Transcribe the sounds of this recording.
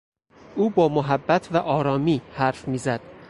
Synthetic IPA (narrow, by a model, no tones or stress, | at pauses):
ʔuːbɒːmoɦæbːæt̪ʰvæʔɒːɾɒːmiːhæɾfmiːzæd̪̥̚